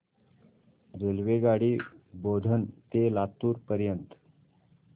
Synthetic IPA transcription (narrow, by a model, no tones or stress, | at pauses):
ɾelʋeɡaɽiːbod̪ʱənt̪elat̪uːɾpəɾjənt̪